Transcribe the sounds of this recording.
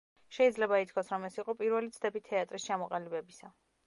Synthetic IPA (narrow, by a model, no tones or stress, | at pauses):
ʃɛid̪zlɛbait̪ʰkʰwasɾɔmɛsiqʼɔpʼiɾvɛlit̪sʰd̪ɛbit̪ʰɛat̪ʼɾist͡ʃʰamɔqʼalibɛbisa